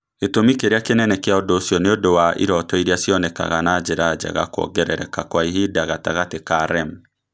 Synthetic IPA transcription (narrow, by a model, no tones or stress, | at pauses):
etomikeɾeakenɛnɛkeaɔdosjɔneodowaʔḭɾɔtɔiɾeasjɔnɛka̰ɣanad͡ʒeɾad͡ʒa̰ɣa̰kɔ̰ɡɛɾɛɾɛkakwaiɦidaɣataɣatekaɾɛm